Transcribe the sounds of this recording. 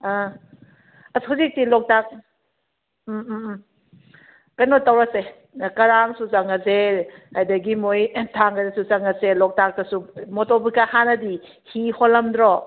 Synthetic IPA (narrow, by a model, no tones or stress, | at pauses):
a | ashazik̚tilɔk̚tak̚ | kajnotawɾase | kɐɾaŋsuzaŋɐzehajdɐɡimojtʰaŋɡadasuzaŋɐselɔk̚tak̚tɐsumɔtobikahanɐdi | hiholːɐmdɾɔ